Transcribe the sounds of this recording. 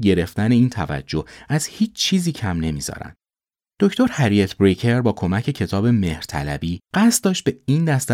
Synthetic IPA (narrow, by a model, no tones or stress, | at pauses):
ɟe̞ɾe̞ft̪æne̞iːnt̪ʰævæ̰d͡ʒːo̞hæz̥hiːt͡ʃʰt͡ʃʰːiːziːcʰæmne̞miːzɒ̰ːɾæ̰nd̪̥ | d̪̥o̞cʰt̪ʰo̞ɾhæɾiet̪ʰbɾecʰe̞ɾbɒːkʰo̞mæcʰe̞cʰe̞t̪ʰɒːbe̞me̞hɾ̥t̪ʰæ̰læ̰biːɢ̥æst̪̚d̪ɒːʃt̪̚b̥e̞iːnd̪æst̪